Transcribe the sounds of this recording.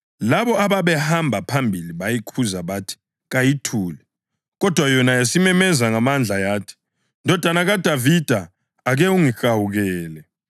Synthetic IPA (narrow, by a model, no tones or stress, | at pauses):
laβɔaβaβɛhambʱapʰambʱiliβajikʰuzaβatʰi̥ | ɣajitʰuːlɛ | ɣɔd̥ʱwajɔnajasimɛmɛzaŋamand͡ɮʱajaːtʰi̥ | ndʱɔd̥ʱwanaɣad̥ʱavid̥ʱaː | ɣɛuŋixawuɣɛːlɛ